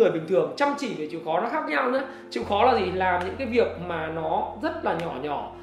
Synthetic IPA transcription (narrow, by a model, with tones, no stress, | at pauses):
ɨ˨˩əjɓï˨˩ŋ̟t̪ʰɨ˨˩əŋt͡ɕa˧mt͡ɕi˧˩ve˨˩t͡ɕḭ˧˨wxɔ˨˦nɔ˨˦xaː˦˥k̚ɲa˧wɲɨ̰ː˧˨˦ | t͡ɕḭ˧˨wxɔ˨˦laː˨˩zi˨˩laː˨˩mɲɨ̰˧˥ŋkaː˨˦jvi˨˩ək̚maː˨˩nɔ˨˦zə˦˥t̚laː˨˩ɲɔ˧˩ɲɔ˧˩